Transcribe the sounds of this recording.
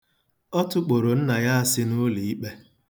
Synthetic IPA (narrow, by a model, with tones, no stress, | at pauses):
ɔ˦tʊ˦k͡po˨ɾo˨n̩˦na˨ja˦a˦sɪ˦nʊ˦li˨i˦k͡pe˦